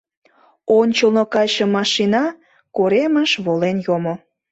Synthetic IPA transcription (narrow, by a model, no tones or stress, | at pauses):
onʲt͡ɕəlnokɑjʃə̆mɑʃinɑ | koɾeməʃβolenjomo